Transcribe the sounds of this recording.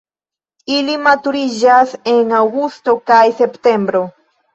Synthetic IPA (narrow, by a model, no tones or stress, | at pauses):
ilimat̪uɾiʒaseŋawɡust̪okajsept̪embɾo